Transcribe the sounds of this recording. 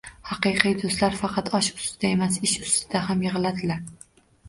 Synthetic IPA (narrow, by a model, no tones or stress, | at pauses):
hɑqɨjqʰɨjd̪ost̪laɾfɑqʰɑt̪ʰɒʃʊ̥st̪ɪd̪ae̞masɪʃʊ̥st̪ɪd̪̥ahamjɪʁɨlad̪ɪlaɾ